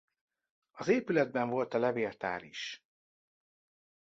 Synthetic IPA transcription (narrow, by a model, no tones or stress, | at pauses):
ɒzeːpylɛd̪̚bɛɱvo̞lt̪ɛlɛveːlt̪a̰ːɾḭʃ